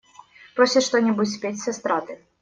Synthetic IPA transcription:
pɾɔsʲɪt̪ʂt̪onʲibutʲsʲpʲetʲsʲɛst̪ɾat̪ɨ

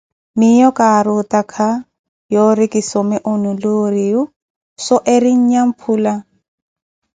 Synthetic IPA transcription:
mɪjɔkaɾʊtakʰa | jɔɾɪkisɔmɪʔʊnʊloɾiʊ | sɔʔeɾɪɲ̩ɲam̩pʰula

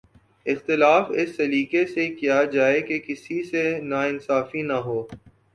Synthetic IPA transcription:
ɪxt̪ɪlaːfɪsːɐɾiːkesekijad͡ʒaːekekɪsisenaɪnsaːfinaɦoː

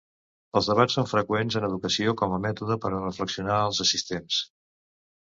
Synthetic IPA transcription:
əlˠzðəβ̞at͡ssoɱfɾəkwenzənəð̞ukəsiokɔməmɛt̪uðəpəɾərəfləksiunaəlˠzəsist̪ens

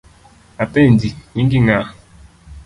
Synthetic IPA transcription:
atendiɲiŋɡiŋa

